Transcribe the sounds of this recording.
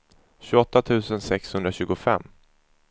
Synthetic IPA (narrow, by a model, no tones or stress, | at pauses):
ɕɵɔt̪ːat̪ʰʉ̟ːsənsɛkshɵnd̪ɾaɕʉ̟ːɡʊfɛ̰mː